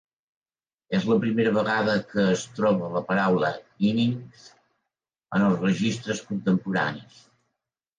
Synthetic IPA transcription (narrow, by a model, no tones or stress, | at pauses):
ezləpɾimeɾəβəɣaðəkəːst̪ɾɔβələpəɾawlə̰iniŋz | ənəlˠzrəʒist̪ɾəskunt̪əmpuɾa̰nis